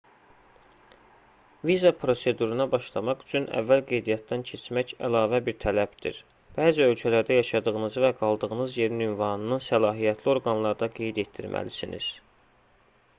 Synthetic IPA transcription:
vizɑpʰɾo̞se̞d̪uɾunɑbɑʃlˠɑmɑχy̥t͡ʃʰynæ̰vːælɡe̞jd̪ijɑt̪̚d̪æncʰe̞t͡ʃʰmæcælɑːvæbiɾt̪ʰælæb̥d̪ḭɾ | b̥æːziø̞lcʰælæɾd̪æjɑʃɑd̪ɯɣɯnɯzɯvæɡɑlˠd̪ɯɣɯnɯzje̞ɾinymvɑnɯnɯnsælɑːɦijæt̪ʰlio̞ɾɡɑnlˠɑɾd̪ɑɡe̞jd̪e̞t̪̚d̪ḭɾmʔæ̰lisinḭz̥

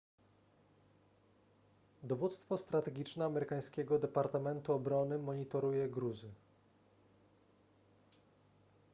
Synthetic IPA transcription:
d̪ɔvut̪st̪fɔst̪ɾat̪ɛɡʲit͡ʂnɛamɛɾɘkaj̃skʲɛɡɔd̪ɛpaɾt̪amɛnt̪uɔbɾɔnɘmɔɲit̪ɔɾujɛɡɾuzɘ

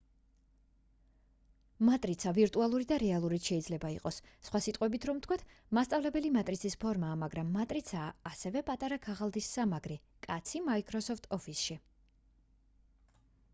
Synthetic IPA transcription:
mat̪ʼɾit̪sʰaviɾt̪ʼualˠuɾid̪aɾɛalˠuɾit̪ʃɛid̪zlɛbaiqʼɔsːχwasit̪ʼqʼwɛbit̪ʰɾɔmt̪ʰkʰwat̪ʰmast̪ʼavlɛbɛlimat̪ʼɾit̪sʰispʰɔɾmaːmaɡɾamːat̪ʼɾit̪sʰaːsɛvɛpʼat̪ʼaɾakʰaʁalˠd̪isːamaɡɾi | kʼat̪sʰimaikʰʼɾɔsɔft̪ʰɔfʰisʃi

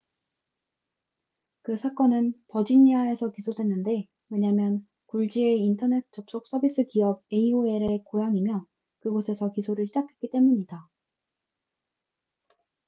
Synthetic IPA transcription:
kɯsʰak͈ʌnɯnpʌd͡ʑiɲiae̞sʰʌkisʰodwe̞nːɯnde̞ | we̞ɲamjʌn | kuɭd͡ʑieintʰʌne̞t̚ʰt͡ɕ͈ok̚s͈ok̚s͈ʌbis͈ɯkiʌb̚e̞ioe̞ɾekojaŋimjʌ | kɯɡosʰe̞sʰʌkisʰoɾɯɭɕʰid͡ʑakʰe̞k͈it͈e̞muɲida

